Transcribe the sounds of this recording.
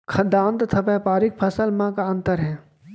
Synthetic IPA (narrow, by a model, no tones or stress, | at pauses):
kʰɐd̪ãːnt̪t̪ʰɐpɛpaːɾɪk̚pʰɐsəlmãkaə̃nt̪əɾɦɛ̃ː